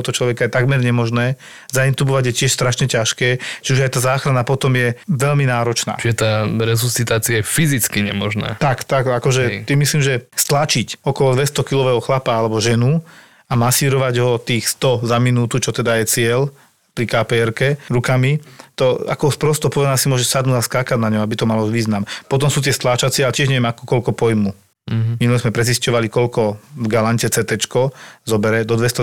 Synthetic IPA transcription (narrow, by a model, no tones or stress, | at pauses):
t̪ɔɦɔt͡ʃlɔʋɛkajɛt̪aɡmɛɾɲɛmɔʒnɛː | zaint̪ubɔʋaɟjɛcɪɛʃst̪ɾaʃɲɛcaʃkɛːt͡ʃiuʒajt̪aːzaːxɾanapɔt̪ɔmjɛʋɛʎminaːɾɔt͡ʃna̰ːt͡ʃiɛt̪aːɾɛsusit̪aːt͡siajɛfizit͡skiɲɛ̰mɔʒna̰ːt̪akt̪akakɔʒɛt̪imisliːmʒɛst̪lat͡ʃicɔkɔlɔd̪ʋɛst̪ɔkilɔʋɛːɦɔxlapaalɛbɔʒɛnu | amasiːɾɔʋaɟɦɔt̪iːxst̪ɔzaminuːt̪ut͡ʃɔt̪ɛd̪ajɛt͡sɪɛl | pɾikapɛɛɾkɛɾukamit̪ɔa̰kɔspɾɔst̪ɔpɔʋɛd̪anasimʊɔʒɛsad̪nuːdaskaːkaɟnaɲɔabit̪ɔmalɔʋiːznampɔt̪̬ɔmsuːt̪ɪɛst̪lat͡ʃat͡sɪɛalɛcɛʒɲɛʋjɛmakɔkɔlkɔpɔjmu | minulɛzmɛpɾɛd͡ziscɔʋalikɔʎkɔvɡalaɲcɛt͡sɛt̪ɛt͡ʃkɔzɔbɛɾɛd̪ɔd̪ʋɛst̪ɔ